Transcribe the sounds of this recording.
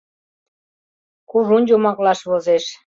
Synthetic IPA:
kuʐunʲd͡ʑomɑklɑʃβozeʃ

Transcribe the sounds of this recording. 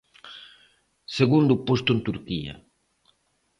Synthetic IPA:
seɣund̪upost̪ʊent̪uɾkiɐ̰

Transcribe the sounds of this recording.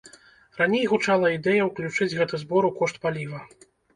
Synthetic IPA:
ranʲejɣut͡ʂalˠɐid̪ɛjɐwklʲut͡ʂɨd͡zʲɣɛt̪ɨzbɔɾukɔʂt̪̚palʲivɐ

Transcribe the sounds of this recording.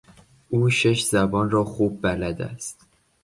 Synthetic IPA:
ʔuːʃe̞ʃzæbɒːnrɒːxuːb̚ːælæd̪æ̰st̪

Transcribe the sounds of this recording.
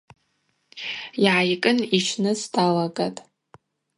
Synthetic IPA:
jʕajkʼɨnit͡ʃʰnɨzdalaɡatʼ

